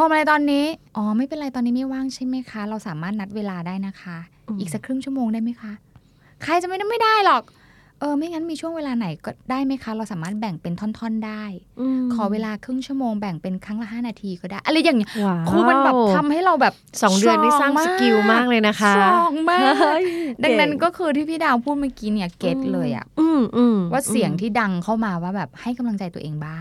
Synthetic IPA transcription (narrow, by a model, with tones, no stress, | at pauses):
ʔɔː˧˩ma˧la˧jt̪ɔː˧nːiː˦˥ʔɔː˧˩ma˥˩jpe˧nʔɾa˧jt̪ɔː˧nːi˦˥ma˥˩jwaː˥˩ŋt͡ɕʰa˥˩jma˦˥jkʰa˦˥ɾa˧wsaː˩˦maː˥˩t̪̚na˦˥t̪̚weː˧laː˧daː˥˩jna˦˥kʰa˦˥ | ʔiː˨˩ksa˨˩kʰɾɯ˥˩ŋt͡ɕʰu˥˩əmoː˧ŋdaː˥˩jma˦˥jkʰa˦˥ʔ | kʰɾa˧jt͡ɕa˨˩ma˥˩jna˥˩ma˥jdaː˥˩jlɔ˨˩k̚ | ʔɤː˧ma˥˩jŋa˦˥nmiː˧t͡ɕʰu˥˩əŋweː˧laː˧na˨˩˦jkɔː˥˩daː˥˩jma˦˥jkʰa˦˥ɾa˧wsaː˩˦maː˥˩t̪̚bɛ˨˩ŋpe˧nt̪ʰɔ˥˩nt̪ʰɔ˥˩˨ndaː˥˩jkʰɔː˨˩˦weː˧laː˧kʰɯ˥˩ŋt͡ɕʰu˥˩əmoː˧ŋbɛ˨˩ŋpe˧nkʰɾa˦˥ŋla˨˩ɦaː˥˩naː˧t̪ʰiː˧kɔː˥˩daː˥˩ʔa˧lɛ˧˩ja˨˩ŋi˦˥˧kʰɯː˧ma˧nbbɛː˨˩t̪ʰa˧mha˥˩jɾa˧wbɛː˨˩p̚sɔː˩˦ŋdɯu˥˧ənda˥˩˧saː˥˩ŋmː˥˧˩ki˧wmaː˥˩k̚lɤː˧jna˦˥kʰa˦˥ɔː˨˦ŋmaː˩˧da˧ŋna˦˥nkɔː˥˩kʰɯː˧t̪ʰiː˥˩pʰiː˥˩daː˧wpʰuː˥˩t̪̚maː˥˩ki˦˥ni˦˥˩ɐke˦˥t̪̚lɤː˧jʔa̰˨˩ʔɯː˧˩mʔɯː˧mwaː˥˩si˨˩˦əŋt̪ʰiː˥˩da˧ŋkʰa˥˩wmaː˧waː˥˩bɛː˨˩p̚ha˥˩jka˧mla˧ŋt͡ɕa˧jt̪u˧ʔeː˧ŋbaː˥˩ŋ